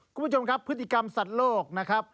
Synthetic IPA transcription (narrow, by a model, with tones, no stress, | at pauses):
kkʰu˧mpːʰo˧mkʰa˦˥pʰːɯ˦˥t̪ʰːi˨˩ka˧msa˨˩t̪̚loː˥˩k̚na˦˥kʰɾa˦˥p̚